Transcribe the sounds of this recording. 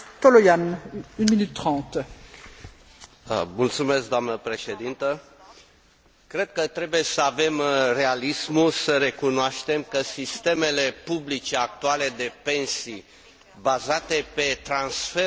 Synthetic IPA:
t̪olojanynminyt̪ːχɑ̃ːt̪ | əmult̪sume̞sk̚d̪oamnəpɾe̞ʃe̞d̪int̪ə | kɾe̞d̪̚kət̪ɾe̞buje̞səave̞mre̞alismusəɾe̞kunoaʃt̪e̞mkəsist̪e̞me̞le̞publit͡ʃe̞ak̚t̪uale̞d̪e̞pe̞nsi | bazat̪e̞pe̞t̪ɾansfe

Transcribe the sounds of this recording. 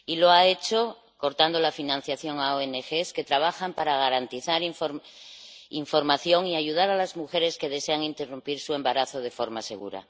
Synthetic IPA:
ilo̞ae̞t͡ʃo̞ | ko̞ɾt̪and̪o̞lafinãn̟θjaθjo̞ŋaoenexeske̞t̪ɾaβ̞axampaɾaɣ̞aɾant̪iθaɾiɱf | iɱfo̞ɾmaθjo̞ŋiaʝuð̞aɾalazmuxe̞ɾe̞ske̞ðe̞seaŋint̪e̞rumpiɾsue̞mbaɾaθo̞ð̞e̞fo̞ɾmase̞̰ɣ̞ṵɾa̰

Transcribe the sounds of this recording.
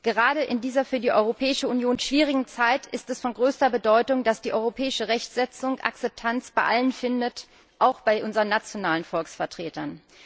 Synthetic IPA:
ɡ̥əʁ̞aːdəʔɪndiːzɐfyːɐdiːʔɔʏʁopʰɛːɪʃəunjoːnʃv̥iːʁ̞ɪɡŋ̩t͡saɪtʰɪstɛsfɔnɡʁøːstɐbədɔʏtʊŋd̥asd̥iːʔɔʏʁopʰɛːɪʃəʁɛçtz̥ɛt͡sʊŋʔa̰k̚t͡sɛp̚tʰant͡sb̥aɪʔalənfɪndət | ʔaʊxb̥aɪʔʊnzəʁənːat͡sjonaːlənfɔlksfɛɐtʁ̥eːtɐn

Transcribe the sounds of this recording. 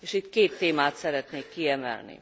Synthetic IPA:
eːʃit̪keːt̪ːeːmaːt̪sɛɾɛt̪neːkːiɛmɛ̰lnḭ

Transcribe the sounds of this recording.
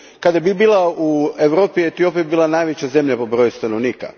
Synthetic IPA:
kad̪jebibiːlˠaueʋɾoːpiet̪io̞piibiːlˠanajʋet͡ɕaze̞mʎapo̞bɾojust̪anoʋniːka̰

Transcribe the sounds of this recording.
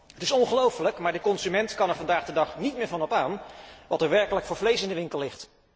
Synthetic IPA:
ɦətɪsɔŋχəlowfələkmaːɹdəkɔnzymɛntkɑnɛɹvɑndaːχdədɑχnitmɪːɹvɑnɔpaːnʋɑtɛɹʋɛɹkələkfʊːɹvlejsɪndəʋɪŋkəlˠlɪχt

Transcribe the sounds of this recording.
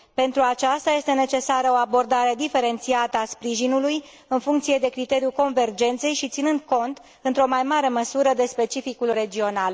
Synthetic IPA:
pe̞nt̪ɾuat͡ʃast̪aje̞st̪e̞ne̞t͡ʃe̞saɾəo̞abo̞rd̪aɾe̞d̪ife̞ɾe̞nt̪siat̪əaspɾiʒinuluj | ɨnfuŋkt̪sije̞d̪e̞kɾit̪e̞ɾiuko̞nve̞rd͡ʒe̞nt̪se̞jʃit̪sinɨnd̪̚ko̞nt̪ | ɨnt̪ɾo̞majmaɾe̞məsuɾəd̪e̞spe̞t͡ʃifikulre̞d͡ʒio̞nal

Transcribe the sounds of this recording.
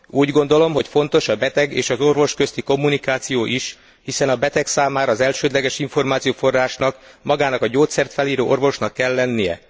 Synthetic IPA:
uːɟɡo̞nd̪o̞lo̞mɦo̞cfo̞nt̪o̞ʃɒbɛt̪ɛɡeːʃɒzo̞rvo̞ʃkø̞st̪iko̞mːunikaːt̪sijoːʔiʃ | hisɛnɒbɛt̪ɛksaːmaːɾɒːzɛlʃøːd̪lɛɡɛʃiɱfo̞rmaːt̪sijoːfo̞rːaːʃnɒkmɒɡaːnɒkɒɟoːt̪sɛrt̪fɛliːɾoːʔo̞rvo̞ʃnɒkːɛlːɛnːijɛ̰

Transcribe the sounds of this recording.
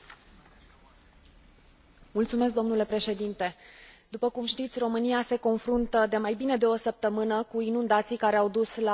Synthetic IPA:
mult̪sumes̬k̚d̪o̞mnule̞pɾe̞ʃe̞d̪int̪e̞d̪upəkumʃt̪it̪sʲro̞mɨniase̞ko̞nfɾunt̪əd̪e̞majbine̞d̪e̞o̞səp̚t̪əmɨnəkuinund̪at̪sijkaɾeawd̪usla

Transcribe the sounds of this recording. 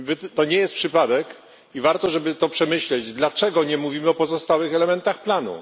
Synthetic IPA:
vt̪ɔɲɛjɛst̪̚pʂɘpad̪ɛk | ivaɾt̪ɔʐɛbɘt̪ɔpʂɛmɘɕlɛd͡ʑd̪lat͡ʂɛɡɔɲɛmuvʲimɘɔpɔzɔst̪awɘxɛlɛmɛnt̪axplanṵ

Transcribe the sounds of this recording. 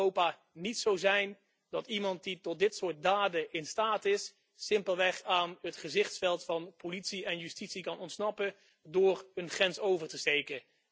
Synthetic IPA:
owpaː | nitsowzɛjn | dɑtimɑnt̚ditɔt̚dɪtsʊːɹt̚daːdəʔɪnstaːtɪsː | ɪmpəlˠʋɛχaːnətχəzɪχtsfɛlˠtfɑnpolitsiɛnjystitsikɑnɔntsnɑpə | dʊːrənχrɛnsowvəɹtəstejkə

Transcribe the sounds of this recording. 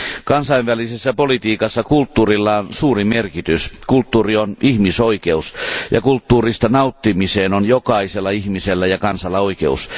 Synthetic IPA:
kɑnsɑiʋʋælisesːæpolit̪iːkɑsːɑkult̪ːuːrilːɑonsuːrimerkit̪yskult̪ːuːrionihmisoikeusjɑ̰kult̪ːuːrist̪ɑnɑut̪ːimiseːnonjokɑiselːɑihmiselːæjɑkɑnsɑlːɑoikḛṵs

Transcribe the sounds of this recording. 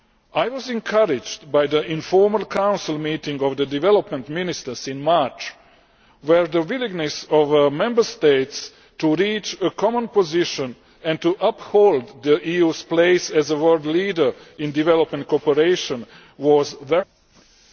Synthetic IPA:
ajʋɔzɛ̃ŋkʰaɾɪd͡ʒd̪bajd̪əĩnfoɹmalˠkʰãw̃nsilˠmiːt̪ĩŋɡɔʋd̪əd̪iʋɛlopmɛ̃nt̪minist̪əsĩnmat͡ʃ | wɛɹd̪əʋiliɡnɛsɔʋəmɛ̃mbə˞st̪ejt̪s | t̪uɾiːt͡ʃəkʰɔmə̃npoziʃə̃n | ɛ̃ndt̪uʔapholˠd̪ːəʔiːjuːspleɪsɛzəwɜld̪liːdə˞ĩnd̪iʋɛlopmẽnt̪̚kopɛɾeɪʃɔ̃n | ʋɔzʋɛ

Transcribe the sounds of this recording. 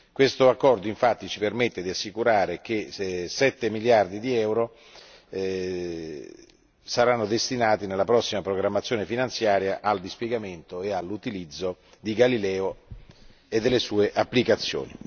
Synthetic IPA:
kwest̪oakːɔrd̪oiɱfat̪ːit͡ʃipermet̪ːed̪iasːikuɾaːɾekesɛt̪ːemiljard̪id̪iɛwɾo | saɾanːod̪est̪inaːt̪inelːapɾɔsːimapɾoɡɾamːat̪sjoːnefinant̪sjaːɾjaʔald̪ispjɛɡament̪oealːut̪ilid̪zːo | d̪iɡalilɛːo | ed̪ːelːesuːeʔapːlikat̪sːjo̰ːni

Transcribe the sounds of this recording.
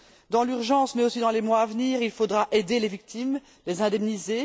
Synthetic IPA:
d̪ɑ̃lyʁʒɑ̃smɛosid̪ɑ̃lemwaːvniːʁilfod̪ʁaʔed̪elevik̚t̪im | lezɛ̃d̪ɛmnize

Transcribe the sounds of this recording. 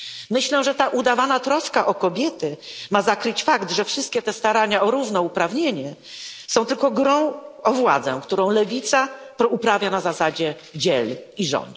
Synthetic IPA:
mɘɕlɛʐɛt̪aʔud̪avanat̪ɾɔskaʔɔkɔbʲjɛt̪ɘmazakɾɘt͡ɕfakt̪ʐɛfʂɘst̪kʲɛt̪ɛst̪aɾaɲaɔɾuvnɔupɾavɲeɲɛ | sɔ̃w̃t̪ɘlkɔɡɾɔ̃w̃ɔvwad̪zɛ̰kt̪uɾɔ̃w̃lɛvʲit̪sapɾɔupɾavʲjanazasad͡ʑɛ | d͡ʑɛliʐɔ̰nt̪

